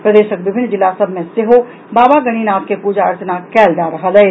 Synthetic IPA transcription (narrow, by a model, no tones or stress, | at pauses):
pɾɐd̪eːʃək̚bɪbʱɪnːd͡ʒɪlːasɐbʱmẽseɦo | baːbaɡɐɽ̃iːnaːp̚kepuːd͡ʒaːɾt͡ʃənakɛːld͡ʒaːɾɐɦalɛː